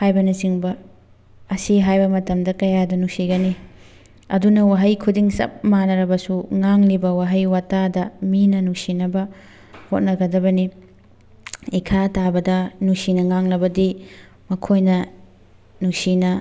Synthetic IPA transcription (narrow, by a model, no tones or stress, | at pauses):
hajbɐnɐsiŋbɐ | ɐsiɦajbɐmɐtɐmdɐkɐjadɐnusiɡɐni | ɐ̰dunɐwaɦɐjkʰudiŋsɐ̰p̚manɐɾɐbɐsuŋaŋlibɐwaɦɐjwatadɐminɐnuksinɐbɐ | hot̚nɐɡɐdɐbɐni | ikʰatabɐdɐnusinɐŋaŋlɐbɐdi | mɐkʰojnɐ | nusinɐ